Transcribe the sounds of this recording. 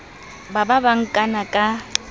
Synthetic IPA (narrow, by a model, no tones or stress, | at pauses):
bababaŋ̩kʼanakʼa